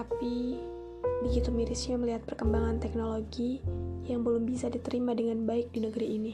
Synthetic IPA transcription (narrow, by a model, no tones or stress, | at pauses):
tapi | biɡit̪umiɾisɲaməliɦat̪̚pərkəmbaŋant̪ɛk̚noloɡijaŋbəlʊmbisadit̪əɾimadəŋanbaɪk̚dinəɡəɾiʔini